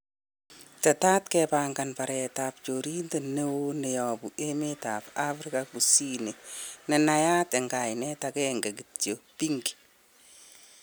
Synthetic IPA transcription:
tɛtaːtkɛpaŋɡanpaɾɛtapt͡ʃoːɾintenewonɛjɔbuemetapafɾikakusinenɛnajatɛŋɡajnɛtakɛŋɡaɡitjopiŋɡi̥

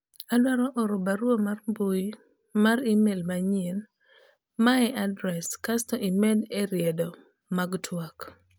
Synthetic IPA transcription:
adwaɾɔʔɔɾobaɾwomarmbuj | maɾimelmaɲen | maɛʔadɾɛskastɔʔimɛdeɾjedɔ | maɡtʰwak

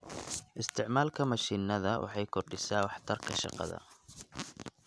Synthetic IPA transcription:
ʔɪst̪ʰɪʕmaːlkʰɐmɐʃiːnɐðɐwʔɑ̰ħɑjkʰʊrɖɪsaːwɑħt̪ʰɐrkʰɐʃɑ̰qɑ̰ðɐ̰

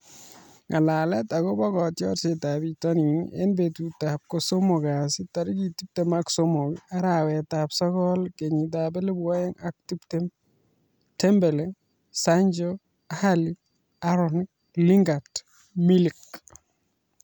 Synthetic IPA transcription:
ŋalalɛtakɔbɔkɔtjɔɾsetabitɔninḛnbetutap̚kosomoɡasitaɾikitip̚temaksomokaɾawɛtapsɔkɔlkeɲit̬abɛlebwɔjɛŋak̚tiptem | tɛmbɛlɛ | saɲd͡ʒo | ahali | aɾɔni | liŋɡat | milik̚

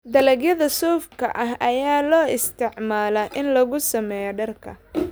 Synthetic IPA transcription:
d̪ɐlɐɡjɐðɐsɔːfkʰɐ̰ʔɐɦɐjaːlɔːɪst̪ʰɪʕmaːlɐʔɪnlɐɣʊsɐmɛːjɔɖɐrkʰɐ̰

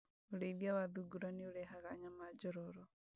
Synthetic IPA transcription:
oɾeiðiawaðuɡuɾanioɾɛɦaɣaːɲamad͡ʒɔɾɔɾɔ

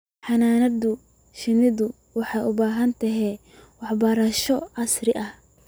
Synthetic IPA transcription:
ħɑnaːnɐd̪ʊ | ʃɪnɪðʊ | wɑħɑjʊbaːɦɐnt̪ʰɐɦɛ | wɑħbɐɾɐʃɔɑsrɪʔɐh

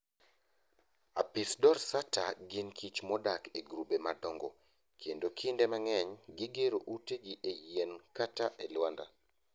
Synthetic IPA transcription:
a̰pɪsdɔrsataɡɪnkʰit͡ʃmɔdakeɡɾubemadɔŋɡo̰ | kʰendokʰindemaŋɛɲɡɪɡeɾoʔuteɡiʔejenkataʔelwanda̰

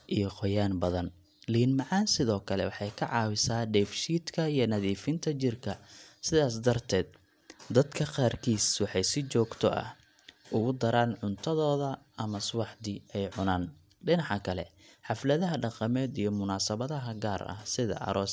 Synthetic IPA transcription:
ʔijɞqɔjaːnbɐðɐn | linmɑʕɑːnsɪðɔːkʰɐlɛ̰wɑħɑjkʰɐʕɑːwɪsaːɖɛːfʃiːd̪kʰɐijɞnɐðiːfɪnt̪ʰɐt͡ʃɪrkʰɐsɪðaːs̬d̪ɐrt̪ʰɛːd̪̚ | d̪ɐd̪kʰɐqaːrkʰiːswɑħɑjsɪt͡ʃɔːɡt̪ʰɔ̰ʔɐ̰h | ʊɣʊd̪ɐɾaːnʕʊnt̪ʰɐðɔːðɐɐmɐswɑħd̪iɛjʕʊnaːn | ɖɪnɑʕɑkʰɐlɛ̰ħɑflɐðɐɦɐɖɑqɑmɛːd̪ijɞmʊnaːsɐβɐðɐɦɐɡaːrɐ̰hsɪðɐ̰ʔɐ̰ɾɔːs

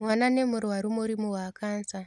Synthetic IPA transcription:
mwanane̞muɾwaɾumuɾimuwaːkʰaːnsa

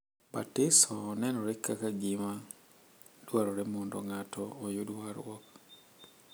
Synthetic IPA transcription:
patɪsɔːnɛnɔɾɛkːakaɡima | d̥waɾɔɾɛmɔndɔ̰ŋatʰɔːjʊdwaɾ̰wɔ̰k

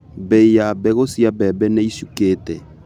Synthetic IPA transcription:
bɛijabɛɣosiabɛbɛnɛiʃukeːtɛ

